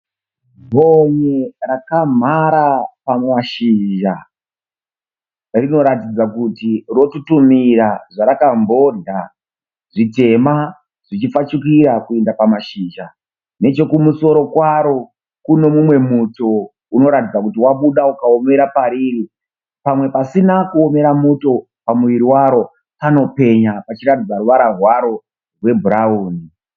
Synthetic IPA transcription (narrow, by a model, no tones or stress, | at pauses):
bʱo̞ɲerakam̤aɾapamaʃiʒa | rino̞ɾatid͡zakutiro̞tutumiɾaʐaɾakambo̞ɮa | ʐite̞ma | ʐ̥it͡ʃifat͡ʃukiɾakuendapamaʃind͡ʒa | ne̞t͡ʃo̞kumuso̞ɾo̞kwaɾo̞ | kuno̞mumwe̞muto̞ | uno̞ɾatid͡zakutiwaɓuɗaukao̞me̞ɾapaɾiri | pamwe̞pasinakuo̞me̞ɾamuto̞ | pamuʋiɾiwaɾo̞ | pano̞pe̞ɲapat͡ʃiɾatid͡zaɾuʋaɾarwaɾo̞ | rwe̞bʱuɾauːni